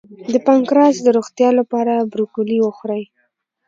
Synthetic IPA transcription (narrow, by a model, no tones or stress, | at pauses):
d̪əpaŋkɾɑsd̪əɾoɣt̪jɑlapɑɾabɾukuliwəxɾaj